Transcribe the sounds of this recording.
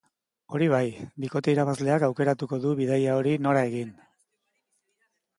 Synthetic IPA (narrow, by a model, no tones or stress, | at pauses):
o̞ɾiβ̞ajbiko̞t̪e̞iɾaβ̞azle̞akawke̞ɾat̪uko̞ðuβiðajao̞ɾino̞ɾae̞ɣin